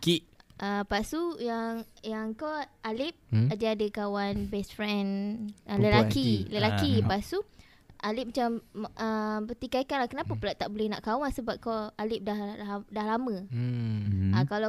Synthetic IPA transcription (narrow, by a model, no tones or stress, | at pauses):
kiʔəpasujaŋjaŋkoʔalɪp̚adiadəkawanbɛsfɾɛnələlakiləlakipasu | ʔalɪp̚mat͡ʃamʔəbət̪ikaikanlahkənapapəlaʔt̪ːaʔbolɛhna̰ʔkawansəbap̚kɔalɪp̚dahdahlamə̃ | akala